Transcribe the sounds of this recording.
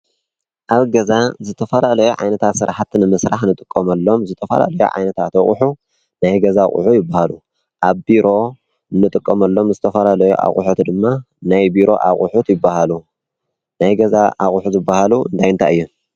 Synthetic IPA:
ʔaβɡɐzazɨt̪ʰɐfɐlalɐjuʕa̰jnɐt̪ʰat̪sɨɾaħat̪nɨmɨsɾaħnɨt̪ʼɨ̥kʼːɐmɐlːo̞mzɨt̪ʰɐfɐ̰la̰lɐjṵʕa̰jnɐt̪ʰat̪ɐχʼħu | najɡɐzaχʼʊ̰ħujɪbːahalu | ʔaβbiɾʔo̞ | nːɨt̪ʼɨkʼːɐmɐlːo̞mzɨt̪ʰɐfɐlalɐjṵʔa̰χʼʊ̰ħut̪d̪ɨmːa | najbiɾo̞̰ʔa̰χʼʊħut̪jɪbːahalu | najɡɐzaʔaχʼʊħuzɨbːahaluɨnd̪ʰajnt̪ʰaɨjːu

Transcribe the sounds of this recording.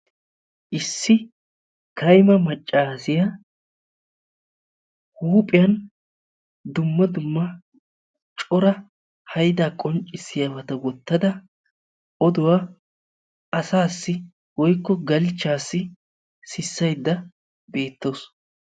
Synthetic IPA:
ʔɪsːɪ | kɐjmɐmɐt͡ʃʼːaːsɪjɐ | huːpʼɪjɐn | d̪ʊmːɐd̪ʊmːɐ | t͡ʃʼɔɾɐ | hɐjd̪aːkʼɔnt͡ʃʼːɪsːɪjabɐt̪ɐwɔt̪ːɐd̪ɐ | ʔɔd̪ʊwaː | ɐsaːsːɪ | wɔjkːɔɡɐlt͡ʃːaːsːɪ | sɪsːɐjd̪ːɐ | be̞ːt̪ːo̞ːs

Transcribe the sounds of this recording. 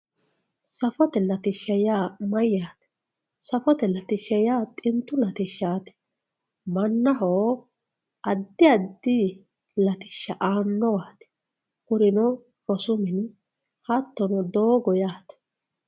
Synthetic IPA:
sɐfɔt̪ɛlɐt̪ɪʃːɐjaːmɐjːaːt̪ɛ̥ | sɐfɔt̪ɛlɐt̪ɪʃːɐjaːt̪ʼɪnt̪ːʊlɐt̪ɪʃːaːt̪ɛ̥ | mɐnːɐɦo | ʔɐd̪ːɪɐd̪ːi | lɐt̪ɪ̥ʃːɐʔaːnːɔwaːt̪ɛ̥ | kʊɾɪnɔ | ɔsʊmɪn | hɐt̪ːɔnɔd̪oːɡɔjaːt̪ɛ̥

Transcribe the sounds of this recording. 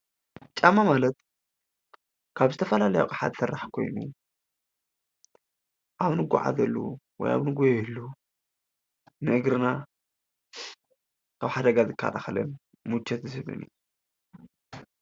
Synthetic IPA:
t͡ʃʼamːamalɐt̪ | kʰaβzɨt̪ʰɐfɐlalɐja̰kʼaħa̰d̪sɨrːaħkʰo̞̰jnṵ | ʔaβnɨɡʷa̰ʕa̰zɐlːṵwɔ̰ja̰βnɨɡojɛjɛlːo | nɨɨɡɾɨna | kʰaβħad̪ɐɡazɨkʰːa̰la̰xɐlɐ̰n | mut͡ʃʰːɛt̪zɨsɨβɨ̰nɨ̰j

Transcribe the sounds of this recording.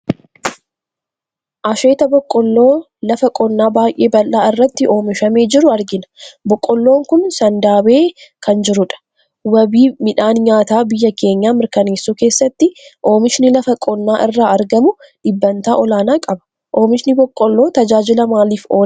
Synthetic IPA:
ʔɐʃe̞ːt̪ɐbɔkʼːɔlːoː | lɐfɐkʼɔnːaːbaːjʔe̞ːbɐlːaːɪrːɐt̪ːɪʔo̞ːmɪʃɐme̞ːd͡ʒɪɾʊɐɾɡɪnɐ̥bɔkʼːɔlːo̞ːŋkʊnsɐnd̪aːbe̞ːkʰɐnd͡ʒɪɾʊᶑɐ̥ | wɐbiːmɪᶑaːnɲaːt̪aːbɪjːɐkʰe̞ːɲːaːmɪɾkɐneːsːuːke̞ːsːɐt̪ːɪʔo̞ːmɪʃnɪlɐfɐkʼɔnːaːʔɪrːaːɐɾɡɐmʊ | ᶑɪbːɐnt̪aːʔɔlaːnaːkʼɐbɐ̥ | ʔo̞ːmɪʃnɪbɔkʼːɔlːo̞ːt̪ɐd͡ʒaːd͡ʒɪlɐmaːliːfoː

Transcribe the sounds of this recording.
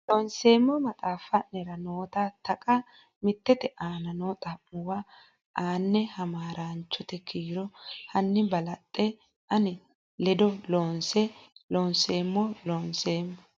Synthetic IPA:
lonse̞ːmːɔmɐt̪ʼaːfɐnɛɾɐnoːt̪at̪ɐkʼɐ | mɪt̪ːɛt̪ɛʔaːnɐnoːt̪ʼɐmːʊwa | ʔaːnːɛhɐmaːɾant͡ʃːɔt̪ɛkʰiːɾɔhɐnːɪbɐlɐt̪ʼːɛ | ʔɐnɪ | lɛd̪ɔloːnsɛloːnse̞ːmːɔloːnseːmːɔ

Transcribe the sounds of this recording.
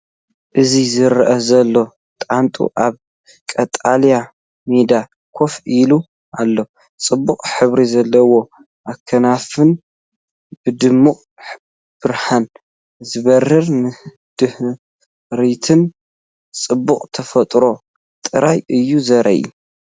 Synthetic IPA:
ʔɨzizɨɾʔɐzɐlːo̞ | t̪ʼant̪ʼṵʔaβ | kʼɐt̪ʼalja | med̪a | kʰo̞filu | ʔalːo̞ | t͡sʼɨbːuqʼħɨβɾizɐlːɐwo̞ | ʔakʰːɐnafɨn | b̥ɨd̪ɨmːuqʼ | b̥ɨɾħan | zɨβɐrːɨɾnɨ | d̪̥ɨh | ɾit̪ʰɨn | t͡sʼɨbːuqʼt̪ʰɐfɐt̪ʼɾo̞ | t̪ʼɨɾajʔɨjːuzɐɾʔɐ̰ʔḭu

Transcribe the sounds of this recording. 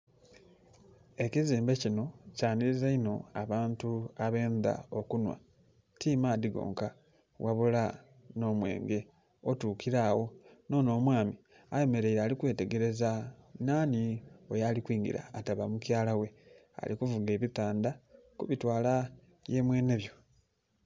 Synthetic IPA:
e̞ciziːmbe̞cino̞caːniɾizaino̞aβaːntuaβe̞ːnða̰okunwa̰ | tiːmaːd̪iɡo̞̰ːŋka | wʔaβula | no̞ːmwe̞̰ːŋɡe̞ | otuːkiɾaːwo̞no̞ːno̞ːmwaːmi | aje̞me̞ɾe̞iɾaːlikwe̞ːte̞ɡe̞ɾe̞zanaːniojalikwiːŋɡḭɾa̰ːtaβamucjaːlawe̞ | a̰likuvuɡe̞ːβipaːnda | kuβitwaːla | je̞ːmwe̞ːne̞βjo̞

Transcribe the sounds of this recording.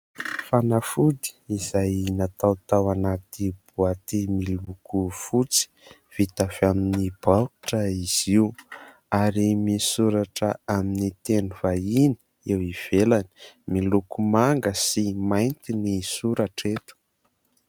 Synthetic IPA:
fanafud̪i̥izajnat̪awt̪awanat̪ib̥uat̪imilukufut͡si̥ | v̥it̪afaminib̥aʈ͡ʂəiz̥iu | aɾimisuɾaʈ͡ʂəaminit̪enuvaini̥ | ewiv̥elani̥milukumaŋɡəsimajnt̪inisuɾaʈ͡ʂet̪u̥

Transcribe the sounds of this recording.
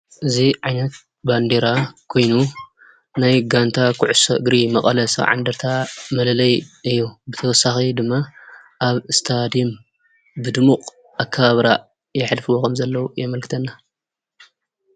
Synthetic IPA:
ʔɨziʕajnɐt̪̚ | band̪e̞ɾakʰo̞jnu | najɡant̪ʰakʰʊʕʊsɐ̰ɨɡɾimɐkʼɐlɐsɐ̰ʕa̰nd̪ɐɾt̪ʰamɐlɐlɐjɨjːubɨt̪ʰɐwɔsːaxid̪ɨmːa | ʔaβɨst̪ʰad̪im | bɨd̪ɨmuqʼ | ʔakʰːɐβaβɾa | jɛħlfɨwokʰɐmzɐlːɐwujɛmɐlkɨ̥t̪ʰɐnːa

